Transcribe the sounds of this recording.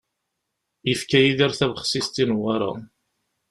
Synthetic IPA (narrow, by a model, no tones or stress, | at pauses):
ifkæjiðiɾθævχsist̪inwaɾˤɑ̰